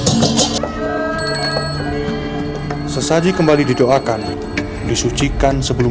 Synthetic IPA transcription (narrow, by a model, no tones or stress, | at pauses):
səsad͡ʒikəmbalididoakan | disut͡ʃikansəbəlu